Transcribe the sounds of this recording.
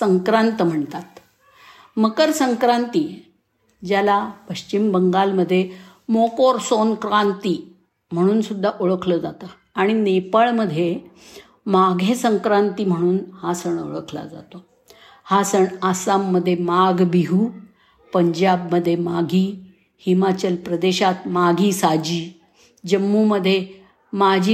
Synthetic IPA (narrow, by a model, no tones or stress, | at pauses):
səŋkɾãnt̪m̤əɳt̪at̪ | məkəɾsəŋkɾant̪i | d͡ʑjalapəɕt͡ɕimbəŋɡalməd̪ʱːje | mokoɾsonkɾant̪iː | m̤əɽ̃uːnsud̪ʱːaʔoɭəkʰləd͡zat̪a | aɽ̃inepəɭməd̪ʱːje | maɡʱesəŋkɾant̪iːm̤əɽ̃uːnhasəɳo̰ɭəkʰla̰d͡za̰t̪o | hasəɳasamːəd̪ʱːjemaɡbiɦuː | pəɲd͡ʑabməd̪ʱːjemaɡʱiː | himat͡ɕəlpɾəd̪eɕat̪maɡʱiːsad͡ʑiː | d͡ʑəmːuməd̪ʱːje | mad͡ʑʱi